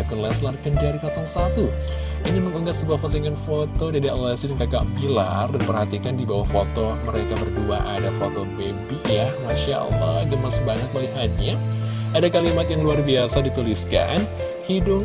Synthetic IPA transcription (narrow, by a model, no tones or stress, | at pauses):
akɔnlɛslarkəndaɾikasaŋsat̪u | iniməŋəŋɡat̪səbuahfasiŋanfot̪od͡ʒadia̰asidankaka̰ʔpila̰rdanpərhat̪ikandibawahfot̪oməɾekabərduaʔadafot̪obebiʔjamaʃa̰la̰d͡ʒanmasbaɲak̪̚baiɦaɲa | adakalimat̪jaŋluarbiasadit̪uliska̰n | hidʊŋ